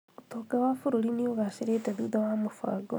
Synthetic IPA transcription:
ot̪oɡawafuɾulinioɣaʃiɾetaðiðawamufa̰ːɡo

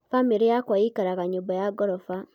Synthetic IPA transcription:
famiɾijakwaikaɾaɣaɲubojaɡoɾɔfa

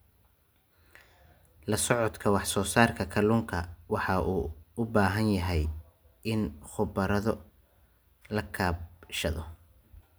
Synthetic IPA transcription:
lɐsɔʕɔd̪kʰɐwɑħsɔːsaːrkʰɐkʰɐluːŋkʰɐwɑħɑʔuːʊbaːɦɐnjɐɦɛj | ɪnχʊbɐɾɐðɔ | lɐkʰaːbʃɐ̰ðɔ̰

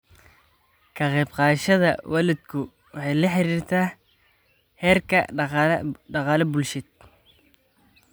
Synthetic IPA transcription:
kʰɐqɛbqɑːʃɐðɐ̰wʔɑːlɪd̪kʰʊ | wɑħɑjlɐħɪɾiːrt̪ʰaː | hɛːrkʰɐ | ɖɑqɑːlɐbʊlʃɪd̪̚

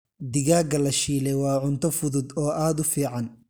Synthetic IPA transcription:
d̪ɪɣaːɡɐlɐʃiːlɛwɑːʕʊnt̪ʰɔfʊðʊd̪ɔːʔaːd̪ʊfiːʕɑn

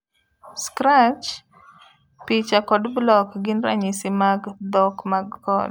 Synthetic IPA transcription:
skɾat͡ʃ | pit͡ʃakɔdblɔkɡɪnɾa̰ɲɪsɪmaɡd̪ɔkmaɡkɔ̰d

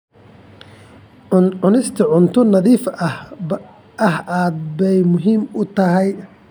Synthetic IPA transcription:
ʊnɪst̪ʰɐʕʊnt̪ʰʊnɐðiːfɐhb | ɐɦaːd̪̚bɛjmʊɦiːmʊt̪ʰɐɦɛj

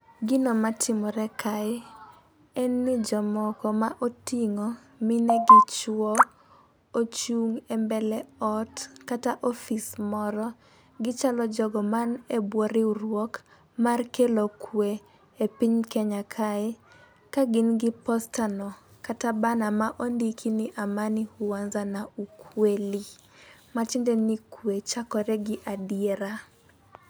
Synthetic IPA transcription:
ɡɪnɔmatʰɪmɔɾɛkʰaɪ | ɛnːɪd͡ʒɔmɔkɔmaʔotiŋɔ | mɪneɡɪt͡ʃwɔ | ot͡ʃuŋɛmbɛlɛɔtkataʔofismɔɾɔ | ɡɪt͡ʃalɔd͡ʒɔɡɔmanebwɔɾɪuɾwɔk | markelɔkʰweː | piɲkɛɲakʰaɪ | kaɡɪnɡɪpɔstanɔkatabanamaʔondikʰinɪʔamanɪhuanzanaukʰweli | mat͡ʃindɛnikʰwet͡ʃakɔɾɛɡɪʔadieɾa

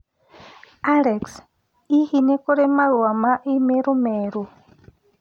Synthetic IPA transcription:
alɛks | ihinekɔɾemaɺwamaʔimeɾumeɾu

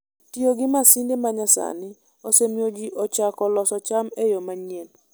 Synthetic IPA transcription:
tioɡɪmasindemaɲasa̰nɪ | osemiod͡ʒiʔot͡ʃakɔlɔsɔt͡ʃamejomaɲen

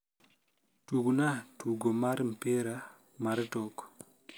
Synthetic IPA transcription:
tuɡunatuɡɔmaɾmpeɾa | maɾtɔk

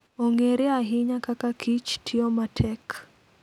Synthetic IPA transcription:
oŋeɾeaɦɪɲakakakʰit͡ʃtʰɪomatʰɛk

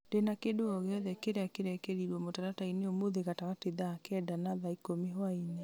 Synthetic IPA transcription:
d̥enakedoɔɣeɔðɛkeɾeakeɾeakeɾiɾɔmotaɾataineomoðeɣataɣateðakɛdanaðaikomeɦwainɛ

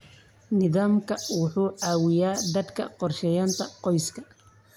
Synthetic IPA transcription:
nɪðaːmkʰɐwʊħuːʕaːwɪjaːd̪ɐd̪kʰɐ̰qɔrʃɛjaːnt̪ʰɐqɔjskʰɐ

